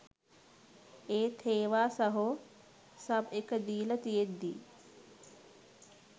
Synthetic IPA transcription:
eːt̪ʰeːʋaːsɐɦo | sɐbekəd̪iːlət̪ijed̪ːḭː

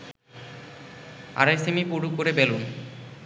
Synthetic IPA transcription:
a̰ɾajsemipoɽukoɾebelun

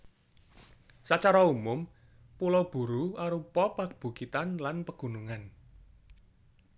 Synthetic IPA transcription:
sat͡ʃaɾaumʊm | pulɔb̥ṳɾuaɾupɔpab̥ṳkit̪anlanpəɡ̥ṳnuŋan

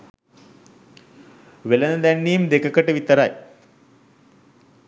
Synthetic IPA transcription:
ʋelənəd̪ænːiːmd̪ekəkəʈəʋit̪əɾa̰j

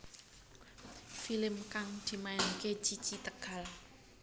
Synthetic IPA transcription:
filɪmkaŋd̪̥i̤majanket͡ʃit͡ʃit̪əɡ̥a̤l

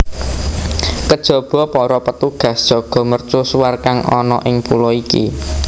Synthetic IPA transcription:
kəd̥ʒ̥ɔ̤b̥ɔ̤pɔɾɔpət̪uɡ̥ä̤sd̥ʒ̥ɔ̤ɡ̥ɔ̤mərt͡ʃʊsuwarkaŋʔɔnɔ̰ʔɪŋpulɔikḭ

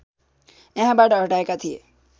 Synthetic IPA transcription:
ẽɦãbaɖaɦəʈaekat̪ʰiḛ

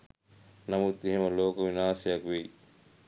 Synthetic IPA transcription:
nɐmut̪eɦemɐloːkoʋinaːsɐjɐkʋi

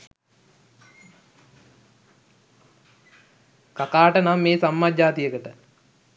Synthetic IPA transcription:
kakaːʈənamːeːsamːad͡ʒaːt̪ijəkəʈə

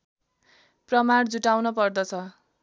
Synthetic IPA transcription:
prʌmaɽd͡zuʈawnʌpʌrd̪ʌt͡sʰʌ

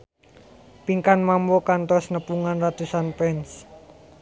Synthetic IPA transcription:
piŋkanmambokant̪ɔsnəpuŋanrat̪usanpɛns

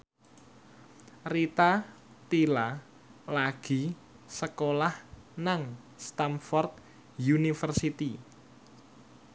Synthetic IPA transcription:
rit̪a | t̪ila | laɡ̥i̤ | səkolahnaŋ | st̪amfɔrt̪̚ | junifərsit̪i

